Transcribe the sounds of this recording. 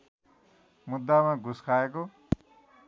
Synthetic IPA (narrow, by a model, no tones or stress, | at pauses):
mud̪ːamãɡʱuskʰaeko